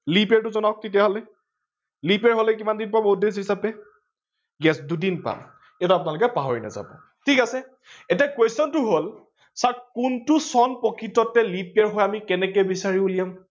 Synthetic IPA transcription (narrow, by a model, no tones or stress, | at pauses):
lipɛɹtʊzɔnak̚titijaɦɔlɛ | lipɛɹɦɔlɛk̬imandinpabudes̬ɦisapɛ | ɡɛsdudinpa̰m | ɛtapʊnalʊukɛpaɦɔɹina̰za̰bɔ̰ | tʰikasɛ | ɛtiakwestɔntʊɦol | saɹkuntʊsɔnpɔkɹitɔtɛlipɛɹɦɔjamikɛnɛkɛbisaɹibulijam